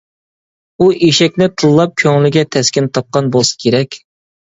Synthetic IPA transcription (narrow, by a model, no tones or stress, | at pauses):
uʔiʃɛkʲnɪt̪ʰɨlˠːɑp̚kʲʰøŋlɪɡʲɛt̪ʰɛskʲɪnt̪ʰɑp̚qɑnboskʲʰeɾɛkʲ